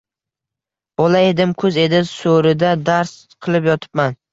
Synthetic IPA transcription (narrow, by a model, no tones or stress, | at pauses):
b̥ɒlae̞d̪ɪmkʰɵze̞d̪ɪsoɾɪd̪ad̪aɾs | qʰɨlˠɪpjɒt̪ʰɪ̥pman